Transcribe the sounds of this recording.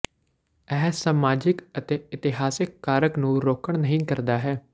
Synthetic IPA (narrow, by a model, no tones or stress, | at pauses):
ɛːsaːmaːd͡ʒɪkət̪eːɪt̪ɪɦaːsɪkːaːɾəknũːɾoːkəɳnəɦĩːkəɾd̪aːɦɛː